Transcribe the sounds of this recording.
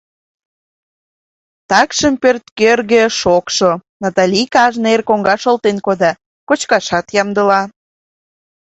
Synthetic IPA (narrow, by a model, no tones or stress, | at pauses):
t̪ɑkʃəmpørt̪kørɣĕʃokʃonɑt̪ɑlʲikɑʒnerkoŋɡɑʃolt̪enkod̪ɑ | kot͡ɕkɑʃɑt̪jɑmd̪əlɑ